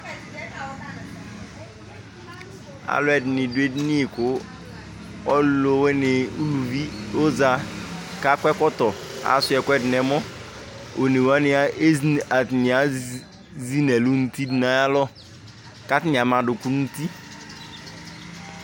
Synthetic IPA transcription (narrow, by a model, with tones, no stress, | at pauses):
a̰˨lʊ˦ɛ˨dnɪ˨dwe˦dni˦i˨kʊ˨ | ɔ˦llo˨we˦nɪ˨u˦lu˨vi˦o˦za˨ka˦kʷɛ˦kɔ˦tɔ˨a̰˨˦sʊ˦ɛ˨kʷɛ˦dɪ˨ɛ˨mɔ˦ | o˨ne˨wa˦nɪ˦a˦e˦a˨tnɪ˨a˨˦ | zi˦nɛ˨lu˦n̩˦ti˦dna˨ja˦lɔ˦ | ka˦tɪ˦nɪ˨a˨ma˨dʊ˨ku˦n˦n̩˦ti˦